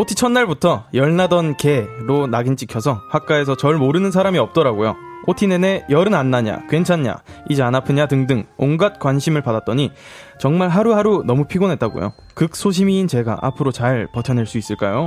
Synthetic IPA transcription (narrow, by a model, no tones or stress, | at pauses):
otʰit͡ɕʰʌnːaɭbutʰʌjʌɭnadʌnke̞ɾonaɡint͡ɕ͈ikʰjʌsʰʌhwak͈̚ae̞sʰʌt͡ɕʌɭmoɾɯnɯns̬ʰaɾamiʌp̚t͈ʌɾaɡojo̰ | otʰinene̞jʌɾɯnanːaɲa̰kwe̞nt͡ɕʰaɲɲa̰id͡ʑianapʰɯɲatɯŋdɯŋoŋɡat̚k͈wanɕʰimɯɭpadat͈ʌɲi | t͡ɕʌŋmaɭɦaɾuɦaɾunʌmupʰiɡonɦe̞t̚t͈aɡo̰jo̰ | kɯk̚s͈oɕ̬ʰimiːnt͡ɕe̞ɡa̰ʔa̰pʰɯɾot͡ɕaɭpʌtʰjʌne̞ɭs͈uis͈ɯɭk͈ajo